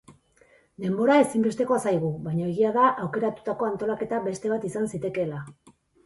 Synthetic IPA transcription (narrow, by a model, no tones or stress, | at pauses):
d̪e̞mbo̞ɾae̞simbe̞st̪e̞ko̞sajɣuβajɲaeɣiaðaʔawke̞ɾat̪u̥t̪ako̞ant̪o̞lake̞t̪abe̞st̪e̞β̞at̪isansit̪e̞ke̞la